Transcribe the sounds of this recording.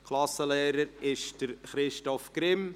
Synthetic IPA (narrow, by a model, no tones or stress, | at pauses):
kʰlˠɑsːəleːɾəɾɪʃd̥əɾχɾɪʃtɔfkɾɪm